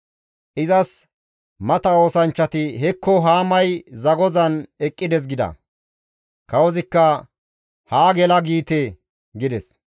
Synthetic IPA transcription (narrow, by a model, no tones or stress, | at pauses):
ʔɪzɐs | mɐt̪ɐo̞ːsɐnt͡ʃːɐt̪ɪhɛkːɔɦaːmɐjzɐɡɔzɐnɛkʼːɪd̪ɛs̬ɡɪd̪ɐ̰ | kɐwɔzɪkːɐ | haːɡɛlɐɡiːt̪e | ɡɪd̪ɛs